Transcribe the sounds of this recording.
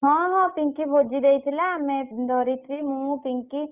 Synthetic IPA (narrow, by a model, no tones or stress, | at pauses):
ɦãːɦãːpĩŋkibʰʱoːd͡ʒid̪eit̪ʰilamẽd̪ʱɔːɾit̪ʰɾimũpiŋki